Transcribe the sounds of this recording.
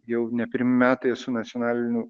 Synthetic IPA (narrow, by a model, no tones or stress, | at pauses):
jɛʊnʲɛpʲɪɾʲmʲɪmʲæːt̪ɐjsʊnɐt͡s̪ʲɪɔnɑːlʲɪnʲʊ